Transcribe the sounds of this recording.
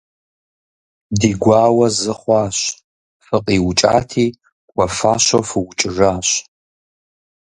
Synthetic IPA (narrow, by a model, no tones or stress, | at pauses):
diːɡʷɑːwɐzɨχʷɑːɕ | fɨqʼiːwʊt͡ʃʼa̰ːtʰiː | kʷʼɔfaːɕɐfɨwʊt͡ʃʼɪʐaːɕ